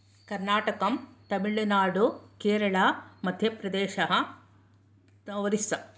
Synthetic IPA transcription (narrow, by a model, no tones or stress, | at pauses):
kɐɾnaːʈɐkɐmt̪ɐmiɭːɐnaːɽukeːɾɐɭɐmɐd̪ʱjɐpɾɐd̪eːʃɐɦɐ | ɐʋɐɾisɐ